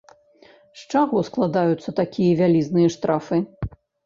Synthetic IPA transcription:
ʂt͡ʂaɣɔsklˠad̪ajut̪sːɐt̪akʲʰijɐvʲalʲiznɨjɐʂt̪ɾʔafɨ

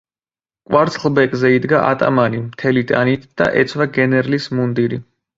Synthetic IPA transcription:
kʼwaɾt̪sʰχlˠbɛkʼzɛid̪ɡaʔat̪ʼa̰manimt̪ʰɛlit̪ʼanit̪ʰd̪̥a̰ʔɛt̪sʰvaɡɛnɛɾlismund̪iɾi

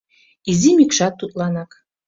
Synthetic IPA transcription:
izimikʃɑt̪ːut̪ʼlˠɑnɑk

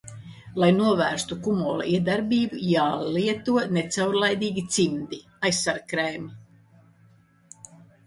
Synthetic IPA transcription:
lˠajnuɔvæːɾst̪ukumɔːlˠa̰ʔiɛd̪aɾbiːbujaːliɛt̪uɔnet̪sawɾlˠajd̪iːɡʲit̪simd̪i | ajsːaɾkɾɛjmi

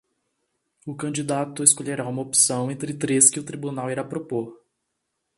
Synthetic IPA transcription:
ʊkɐ̃d͡ʒid̪at̪ʊeskoʎeɾaũmɐopi̥sɐ̃w̃ẽt̪ɾɪt̪ɾeskɪʊt̪ɾibunawiɾapɾopoɾ

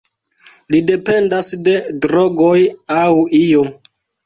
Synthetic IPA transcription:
lide̞pe̞ndasde̞dɾoɡojawijo

